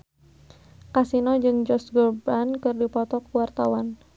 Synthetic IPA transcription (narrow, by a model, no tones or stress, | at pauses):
kasinɔd͡ʒɨŋd͡ʒɔsɡɔrbankɨrdipɔt̪ɔkuwart̪awan